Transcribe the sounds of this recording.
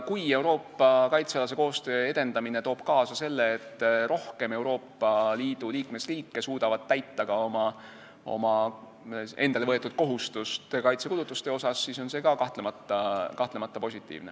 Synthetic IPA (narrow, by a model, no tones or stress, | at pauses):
kuje̞wɾo̞ːpːˑɑkɑjt̪seɑlɑs̬e̞ko̞ːst̪ø̞ːe̞d̪e̞nd̪̥ɑmine̞t̪o̞ːb̥kɑːsɑse̞lːe̞ːt̪ːˑɾo̞hke̞me̞wɾo̞ːpːɑliːd̪̥uliːkme̞sriːkːˑe̞suːd̪̥ɑvɑd̪̥̚t̪æjt̪ːɑɡ̥ɑo̞mɑ | o̞̰mɑ | e̞nd̪ɑle̞vɤet̪ːˑud̪̥̚ko̞ɦust̪ust̪kɑjt̪se̞kulut̪ːˑust̪e̞o̞sɑsːiːso̞nse̞ːɡɑkɑht̪lemɑt̪ːˑɑkɑht̪lemɑt̪ːˑɑpo̞sʲit̪ːˑḭːvne